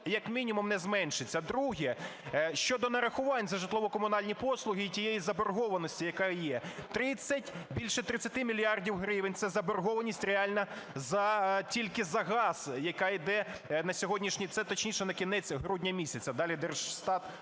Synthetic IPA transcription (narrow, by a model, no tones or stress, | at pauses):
jɐkmʲinʲimʊmnɛzmɛnʃɪt͡sʲːɐd̪ɾuɦɛʃt͡ʃɔd̪ɔnɐɾɐxʊʋɑnʲzɐʒɪt̪lˠɔʋɔkɔmʊnɑlʲnʲipɔslˠʊɦɪːtʲijejizɐbɔrɦɔʋɐnɔsʲtʲijɐkɑjɛt̪ɾɪt͡sʲːɐtʲbʲilʲʃɛt̪ɾɪt͡sʲɐt̪ɪmʲilʲijɑrdʲiwɦɾɪʋenʲt̪sɛzɐbɔrɦɔʋɐnʲisʲtʲreɑlʲnɐ | zɐtʲilʲkɪzɐɦɑz̥jɐkɑid̪ɛnɐsʲɔɦɔdʲnʲiʃnʲit̪sɛt̪ɔt͡ʃnʲiʃɛnɐkʲinɛt͡sʲɦɾudʲnʲɐmʲisʲɐt͡sʲɐd̪ɑlʲid̪ɛrʒst̪ɑt̪